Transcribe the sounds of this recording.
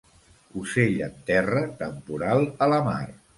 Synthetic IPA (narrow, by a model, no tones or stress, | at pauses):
useʎə̰nt̪ɛrət̪əmpuɾalˠələma̰r